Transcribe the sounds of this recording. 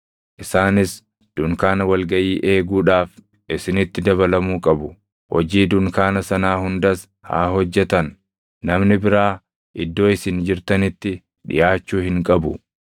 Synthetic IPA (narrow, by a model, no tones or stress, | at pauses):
ʔɪsaːnɪs | d̪̥ʊŋkaːnɐwɐlɡɐʔiːʔe̞ːɡuːᶑaːf | ʔɪsɪnɪt̪ːɪd̪ɐβɐlɐmuːkʼɐbʊ | hɔ̰d͡ʒiːd̪ʊŋkaːnɐsɐnaːhʊnd̪ɐs | ha̰ːɦɔd͡ʒːɛt̪ɐnː | ɐmnɪbɪɾaː | ʔɪd̪ːo̞ːɪsɪnd͡ʒɪɾt̪ɐnɪt̪ːɪ | ᶑɪ̰jaːt͡ʃːuːhɪŋkʼɐbʊ